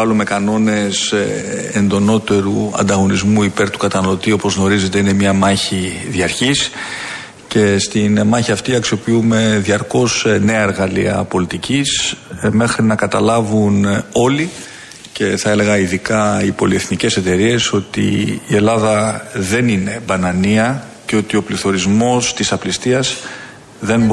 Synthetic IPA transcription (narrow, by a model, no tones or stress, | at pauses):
ɐlume̞kɐno̞ne̞s | end̪o̞no̞t̪e̞ɾuɐ̰nd̪ɐɣo̞nizmuipe̞ɾt̪u̥kɐt̪ɐnɐlo̞t̪io̞po̞zɣno̞ɾize̞t̪e̞ine̞mɲɐmɐçiðiɐɾçis | ce̞st̪inmɐçiɐft̪iɐksio̞piume̞ðiɐɾko̞sne̞ɐeɾɣɐliɐ̰po̞lit̪icisme̞xɾinɐkɐt̪ɐlɐvuno̞li | ce̞θɐe̞le̞ɣɐiðikɐipo̞lie̞θnice̞se̞t̪e̞ɾie̞so̞t̪ḭːe̞lɐðɐðe̞nine̞bɐnɐniɐ | ceo̞t̪io̞pliθo̞ɾizmo̞st̪isɐplist̪iɐz | ðe̞nb